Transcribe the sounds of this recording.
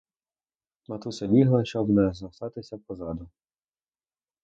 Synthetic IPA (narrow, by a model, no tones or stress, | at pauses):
mɐt̪usɐbʲiɦlˠɐʃt͡ʃɔbnɛzɐsɑt̪ɪsʲɐpɔzɑd̪ʊ